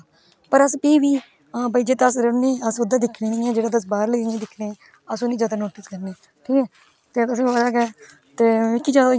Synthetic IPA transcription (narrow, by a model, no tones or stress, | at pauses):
pəɾəspeiʋiː | baiːd͡ʒeːt̪ːəsɾəneːəsʋəd̪aːd̪ɪkʰneːnɪːãːd͡ʒeːɽaːd̪əs̬baːɾləẽːd̪ɪkʰneː | əsʊ̃nĩːd͡ʒaːd̪aːnoːʈɪskəɾneː | ʈʰiːkɛː | t̪eːt̪ʊsĩːəd̪aːkɛː | t̪eːɪkːiːd͡ʒaːd̪a